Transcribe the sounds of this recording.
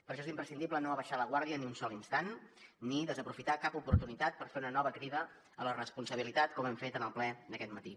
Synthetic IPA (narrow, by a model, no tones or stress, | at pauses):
pəɾʃ̬ɔezimpɾəsind̪iblənoəβəʃaləɣ̞waɾðiəniunsɔlinst̪anniðəzəpɾufit̪akapupuɾt̪unit̪at̪̚pəɾfeunənɔβəkɾiðə | ələrəspunsəβ̞ilit̪at̪kɔmɛmfet̪ənəlˠplɛd̪əkɛt̪mət̪i